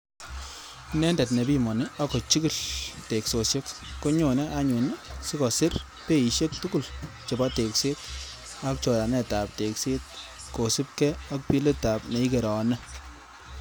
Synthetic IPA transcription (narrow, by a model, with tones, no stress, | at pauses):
nɛ˦ndɛ˨tnɛ˨bi˦mɔ˨ne˦a˦kɔ˨t͡ʃi˦kɪ˦˨lte˨kso˨ʃe˦kːo˦ɲo˨nɛ˦ʔa˦ɲo˨n˦sɪ˦kɔ˨sɪ˦r | pe˦i˨ʃe˦k̚tu˦ku˦˨l | t͡ʃɪ˨ba˦te˨kse˦t̚ | a˦k̚t͡ʃɔ˨ɾa˨nɛ˦˨ta˨p̚te˨kse˦t̚ | ko˨si˦p̚kɛ˦a˦k̚pi˦le˦ta˨pnɛ˨i˦ke˨ɾɔ˨nɛ˦